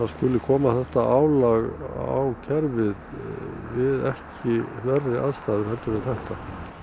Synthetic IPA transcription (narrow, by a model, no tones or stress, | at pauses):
θaðskʏlːɪkʰɔːmaθɛht̪aʔaːwlaɣa̰wcʰɛɾvɪðvɪðɛhcɪvɛrːɪaðst̪aːðɪhɛlt̪ʏɾɪθɛht̪a